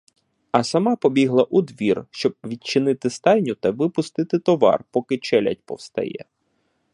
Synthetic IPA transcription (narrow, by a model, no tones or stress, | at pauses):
ɐsɐmɑpɔbʲiɦlˠɐʔud̪ʋʲirʃt͡ʃɔb̚ʋʲid̪̚t͡ʃɪnɪt̪ɪst̪ɑjʲnʲʊt̪ɐʋɪpʊst̪ɪt̪ɪt̪ɔʋɑ̰rpɔkɪt͡ʃɛlʲɐ̰tʲpɔ̰wst̪ɐ̰jɛ̰